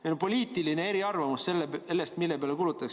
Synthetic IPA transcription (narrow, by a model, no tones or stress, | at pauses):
enpo̞liːt̪ilinee̞ɾiɑrvɑmusselːelːest̪milːe̞peɑlekulut̪ːˑɑks